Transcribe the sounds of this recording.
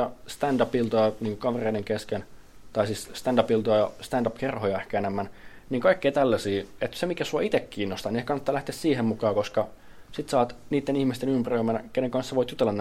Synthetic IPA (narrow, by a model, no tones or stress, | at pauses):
ɑst̪ændɑpilt̪ojɑniːŋkukɑʋereideŋkesken | t̪ɑisisst̪ændɑpilt̪ojɑjɑst̪ændɑpkerhojɑehkænemːæn | niːŋkɑikːeit̪ælːæsiːet̪semikæsuɑit̪ekːiːnːost̪ɑniehkɑnːɑt̪ːɑːlæht̪eːssiːhemmukɑːkoskɑ | sit̪sɑːt̪niːt̪ːenihmist̪enympæroimːænækeneŋkɑnseʋoit̪jut̪elːɑnː